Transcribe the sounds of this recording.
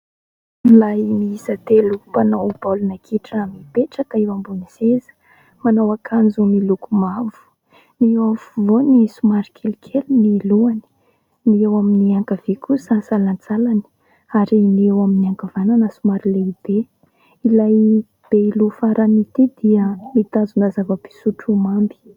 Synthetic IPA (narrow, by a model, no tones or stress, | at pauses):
lajmiisat̪elupanaub̥alunakʰiʈ͡ʂamipeʈ͡ʂək̪aewambunisezə̥ | manawakʰand͡zumilukumavu̥ | niewafuvonisumaɾikʲʰelikʰeluniluani̥ | niewaminiaŋkavikʰusasalant͡salani̥ | aɾiniewaminiaŋkavananəsumaɾileib̥e | ilaj | b̥eilufaɾanit̪id̪iəmit̪azunəzavəpi̥suʈ͡ʂumambi̥